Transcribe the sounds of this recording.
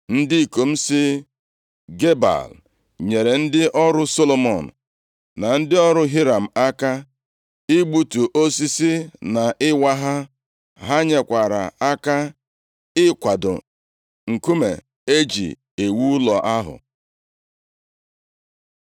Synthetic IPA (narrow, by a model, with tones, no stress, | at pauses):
n̩˦dɪ˦i˨ko˨m̩˦sɪ˦ | ɡe˦ba̰˨l | ɲe˨ɾe˨n̩˦dɪ˦ʔɔ˦ɾʊ˦so˦lo˨mɔ˨n̩˨ | na˨n̩˦dɪ˦ɔ˦ɾʊ˦ɦi˦ɾa˨m̩˨a˦ka˦ | i˦ɡ͡bu˦tu˨ʔo˦si˦si˦na˨ʔɪ˦wa˦ɦa˦ | ɦa˦ɲe˨kʷa˨ɾa̰˨a˦ka˦ | ɪ˦kʷa˨dʊ̰˨ | ŋ̩˨ku˦mḛ˨ | e˦d͡ʒḭ˨ | e˨wu˦lɔ˨ʔa˦ɦʊ̰˨